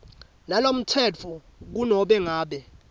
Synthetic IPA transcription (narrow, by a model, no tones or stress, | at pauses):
nalom̩tʰɛt͡fʰu | k̬unɔɓɛŋaːɓɛ